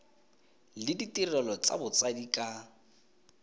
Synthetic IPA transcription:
lɪditʼirɛlɔt͡sʼa̰bʊt͡sʼadikʼa

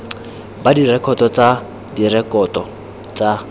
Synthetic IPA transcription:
badirɛkʰɔtʼɔt͡sʼa | dirɛkʼɔtʼɔ | t͡sʼa

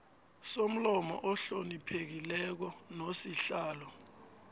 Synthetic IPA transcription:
som̩lɔmɔ̰ʔɔɬonipʰek̬ilɛk̬ɔnosiɬaːlɔ

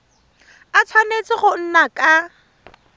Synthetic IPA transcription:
at͡sʰwanet͡sɪɣʊn̩nakʼa

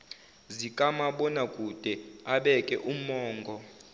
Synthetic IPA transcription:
zikʼamaɓɔnakʼud̥ʱɛaɓɛkʼɛʔumɔːŋɡʱɔ

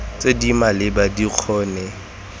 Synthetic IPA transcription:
t͡sʼedimalɪbadiq͡χʰɔːnɛ

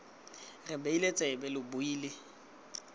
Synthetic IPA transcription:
rɪbeilet͡sʼɛbɛlɪbʊiːlɪ

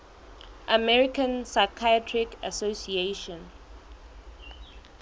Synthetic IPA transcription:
ʔamɛɹikə̃nsaɪkʰajtʰɹikasosieʃɔ̃n

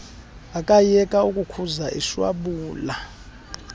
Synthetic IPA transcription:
akʼajɛkʼaukʼukʰuzaʔḭʃwa̰ɓuːla

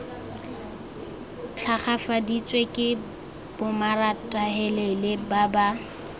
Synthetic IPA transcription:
t͡ɬʰaχafadit͡sʼwekʼɪ | b̥ʊmaratʼaɦɛlelɪbaba

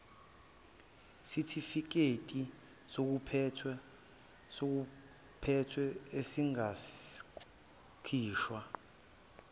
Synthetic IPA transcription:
sitʰifik̬etʼi | sok̬upʰɛtʰ | sok̬u | pʰɛtʰwɛesiŋas | kʰiːʃwa

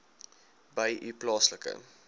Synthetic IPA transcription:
bəjʔiplɑːsləkə̰

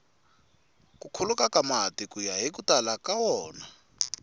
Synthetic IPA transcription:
kukʰulukakamatikujaɦik̬utalakawɔːna

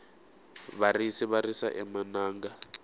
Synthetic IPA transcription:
βarisiβarisa̰ʔɛmanaːŋɡa

